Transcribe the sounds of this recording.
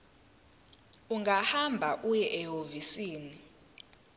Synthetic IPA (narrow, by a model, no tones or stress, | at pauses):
uŋɡahambʱaʔujɛʔɛɦovisiːni